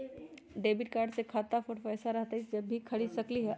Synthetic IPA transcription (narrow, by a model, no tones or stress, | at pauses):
ɖeːbɪʈ̚kaːɾɖsekʰaːt̪afʊʈfɛːsaɾɐɦt̪aɦid͡ʒɐbʱːikʰɐɭisɐkliɦɛ